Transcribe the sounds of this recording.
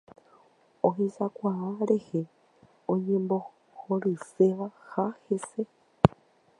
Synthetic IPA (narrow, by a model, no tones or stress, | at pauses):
oɦizakwʷaβaɾehe | oɲembo | xoɾɨseβaxahese